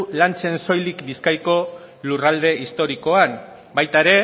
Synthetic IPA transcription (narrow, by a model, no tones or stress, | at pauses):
lant͡se̞nso̞jlikbiskajko̞ | lurald̪e̞ʔist̪o̞ɾiko̞an | bajt̪aeɾe̞